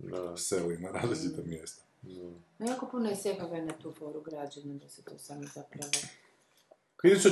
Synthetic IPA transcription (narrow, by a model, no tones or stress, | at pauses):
selinaɾaːzlit͡ʃit̪omjest̪o̥ | nojaːko̞punojeseɦaʋanat̪uːfo̞ːɾuɡɾaːd͡ʑenad̪aset̪oːsaːmozapɾaʋo | kaiiso